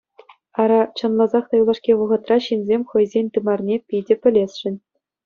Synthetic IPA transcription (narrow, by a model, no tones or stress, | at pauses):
ɑɾɑt͡ɕɤ̆nlˠɑzɑχt̪ɑjulˠɑʂkʲeʋɤ̆ʁɤ̆t̪rɑɕinʲzʲemʲχɤ̆jzʲenʲt̪ɯmɑrnʲepʲidʲɘ̆pʲɘ̆lʲesʲʂɘ̆nʲ